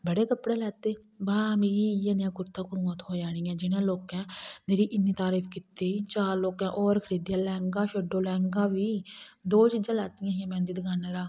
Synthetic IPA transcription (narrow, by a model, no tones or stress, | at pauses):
bəɽeːkəpɽeːlɛːt̪eː | baːmeːɾiːjãːnjãːkʊɾt̪ãːkuːmot̪ɦoːd͡ʒaːɽ̃iːɛ̃ːd͡ʒɪnãːloːkɛ̃ːmeːɾiːʔɪniːt̪aːɾiːfkɪt̪et͡ʃaːɾloːkɛ̃ːʔɔːɾkʰəɾiːd̪jãːlɛːŋɡãːʃəɖoːlɛ̃ːŋɡãːʋiːd̪oːt͡ʃiːd͡ʒãːlɛːt̪ɪjãːɦãːmɛ̃ːnd̪iːd̪ɪɡaːnẽɾaː